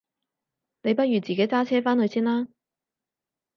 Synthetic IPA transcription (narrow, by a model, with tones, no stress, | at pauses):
ne˨˧jpɐ˥t̚ɥyː˨t͡siː˨ke˨˥jt͡saː˥t͡sʰɛː˥faː˥nhɵ˧ɥsiː˥nlaː˥